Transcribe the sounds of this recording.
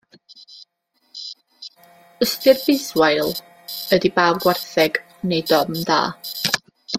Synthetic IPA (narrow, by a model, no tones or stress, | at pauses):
əstɨrbɪswaɨlˠ | ədibaːlˠɡwɛrθɛɡ | nejdɔmda̰ː